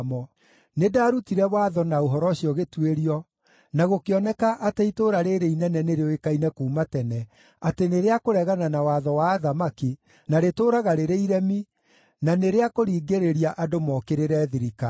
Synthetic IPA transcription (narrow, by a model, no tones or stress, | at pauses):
mɔ | nedaːɾutiɾɛwaːðɔnaoɦɔɾɔɕiɔɣetweɾiɔ | naɣokeɔnɛkaʔateitoːɾaɾeɾeinɛnɛneɾeɔekainɛkuːmatɛnɛ | ateneɾeakoɾɛɣananawaðɔwaːðamaki | naɾetoːɾaɣaɾeɾeiɾɛmi | naneɾeakoɾiːɡeɾeɾiaʔadomɔkeɾeɾɛːðiɾika